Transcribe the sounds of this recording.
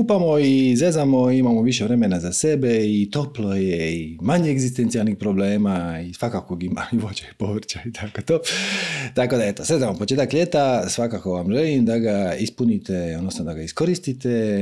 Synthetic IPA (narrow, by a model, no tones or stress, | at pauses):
kupamo̞izezamo̞imamo̞ʋiʃeʋɾe̞menazase̞beit̪o̞plo̞jeimaɲeeɡzist̪ent̪sijalnixpɾo̞bleːmaisʋakakoɡimauʋot͡ɕapoʋɾ̩t͡ɕait̪ʰakot̪o | t̪ako̞d̪ae̞t̪osed̪aʋampot͡ʃe̞t̪akʎe̞t̪asʋakako̞ʋamʒelimd̪aɡaispunit̪eod̪nosnod̪aɡaisko̞ɾist̪it̪e